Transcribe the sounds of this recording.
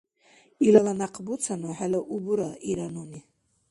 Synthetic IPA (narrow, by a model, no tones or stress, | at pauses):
ilalanaqʼbut͡sʰanuħalaʔubuɾaiɾanuni